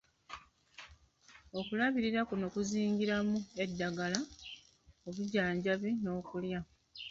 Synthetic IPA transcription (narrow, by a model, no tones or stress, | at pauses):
o̞kulaβiɾiɾakunokuziːŋɡiɾamue̞dːaɡala | oβuɟaːɲɟaβino̞ːkulja